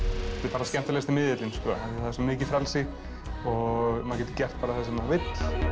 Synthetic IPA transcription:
ɛt̪ɪpaɾascɛm̥t̪alɛɣst̪ɪnmɪðɪt̪lɪnskɔːðaaɪθaðasɛmɪːcɪfɾɛlsɪ | ɔɣmaːcɛt̪ɪ̥cɛr̥t̪̚paːɾaθɛsɪmavɪt̪l̥

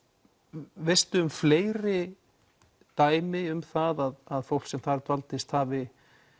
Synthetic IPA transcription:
vejst̪ʏːmfleːjɾɪ | t̪aːjmɪʏmθaðaðaðfowlksɛmθaɾt̪valt̪ɪst̪haːvɪ

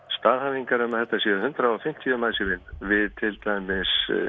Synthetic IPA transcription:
st̪aːðhaviŋkaɾʏmaðθɛht̪ːasjɛːðhʏnt̪ɾaɔwfɪm̥t̪ʰjʏmaːðsɪvɪnvɪðt̪ʰɪlt̪ajmɪs

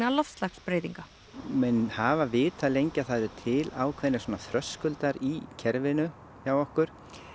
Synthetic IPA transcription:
alɔfst̪laxspɾejt̪iŋka | mɛnhaːvavɪːt̪ʰalejɲcaθaðʏɾt̪ʰɪlaːwkʰvɛnɪ̥sɔːnaθɾœskʏlt̪aɾicʰɛɾvɪnʏ | çawɔhkʏɾ̥

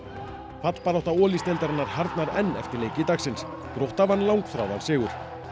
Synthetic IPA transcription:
fat̪l̥paɾawht̪aɔːlist̪ɛlt̪aɾɪnːaɾ̥haɾt̪naɾɛnːɛ̰ft̪ɪɾleːjcɪt̪aksɪns | kɾowht̪avanːlawŋkfɾa̰wðalsɪːɣʏɾ̥

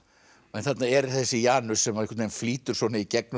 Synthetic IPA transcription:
ɛnθat̪naɛɾθɛsːɪjaːnʏsɛmakʰvat̪ejnfliːt̪ʏɾ̥svɔːnaicɛk̚n

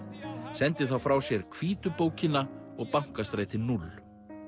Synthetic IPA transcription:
sɛnt̪ɪθawfɾaːwsjɛɾ̥kʰviːt̪ʏpoːwcɪnaɔɣpawŋ̥kast̪ɾaːjt̪ɪnulː

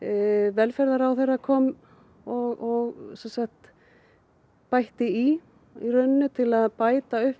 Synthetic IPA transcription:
vɛlfɛɾðaɾawθejrːakʰɔːm | ɔɣɔɣsɛnsakt̪ | pajht̪ɪi | irœɥnːʏt̪ʰɪlaðpaːjt̪aʏhp

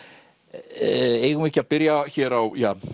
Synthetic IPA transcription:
eːjɣmɪhcɪapɪɾjaçɛːɾawjaː

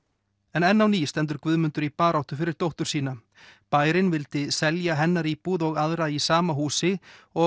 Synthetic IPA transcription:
ɛnɛnːawniːst̪ɛnt̪̬ʏɾkvʏðmʏnt̪ʏɾipaːɾawht̪ʏfɪɾɪɾ̥t̪owht̪ʏɾ̥siːna | paːjɾɪnvɪlt̪ɪsɛljaɦɛnːaɾipuːðɔɣaðɾaisaːmaɦuːsɪɔ

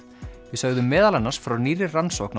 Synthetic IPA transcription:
vɪsœɣðʏmːɛːðalanːasfɾawniːɾɪrransɔkn

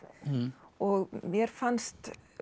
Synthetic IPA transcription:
ɔɣmjɛɾ̥fanst̪

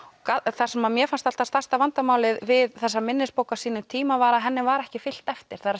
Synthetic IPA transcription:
kaθar̥sɛmamjɛfanst̪al̥t̪ast̪ast̪avant̪amaːwlɪðvɪðθɛsːamɪnːɪspowkasiːnʏt̪ʰiːmavaːɾaɦɛnːɪvaɾɛhcɪfɪl̥t̪ɛft̪ɪɾ̥θaɾa

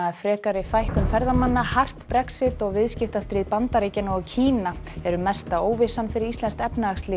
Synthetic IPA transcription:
afɾɛːkaɾɪfajhkʏmfɛɾðamanːahar̥t̪pɾɛksɪt̪ɔɣvɪðscɪft̪ast̪ɾiːðpant̪aɾiːcɪnɔɣcʰiːnaɛɾʏmɛst̪aoːwvɪsanfɪɾɪɾist̪ɛnst̪ɛpnaaxst̪lɪ

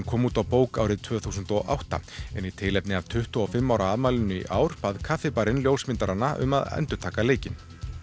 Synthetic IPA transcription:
nkʰɔːmuːt̪awpoːwkaːwɾɪðt̪ʰv̥œːθuːsʏnt̪ɔʔa̰wht̪a̰ɛnit̪ʰɪlɛpnɪav̥t̪ʰʏht̪ʏɔfɪmːawɾʔaaðmaːlɪnːʏḭʔaːwɾ̥paðkʰafɪpaɾɪnljowsmɪnt̪aɾanːaʔʏ̰maðɛ̰nt̪ʏɾ̥t̪ʰaːkaleːjcɪn

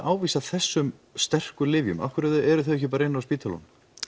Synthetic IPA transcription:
ʔaːwviːsaθɛsːʏmst̪ɛr̥kʏlɪvjʏ̰ma̰fkʏɾɛðʏɛɾʏθœɥɛhcɪpaːɾaɪnːaspiːt̪ʰalɔ̰n

